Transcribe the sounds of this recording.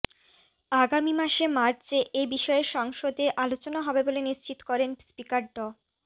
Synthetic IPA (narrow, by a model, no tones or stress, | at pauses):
aɡamimaʃemaɾt͡ɕeʔebiʃɔeɾʃɔŋʃod̪eʔalot͡ɕonaɦɔbeboleniʃt͡ɕit̪o̥kɔɾenspikaɖɖo